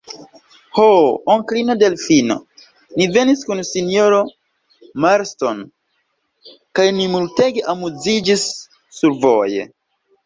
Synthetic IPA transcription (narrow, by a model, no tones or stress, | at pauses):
hooŋklino̞delfino̞̰ | nive̞niskunsinijoɾo | maɾsto̞n | kajnimulte̞ɡe̞ʔamuzid͡ʒisː | uɾvoje̞̰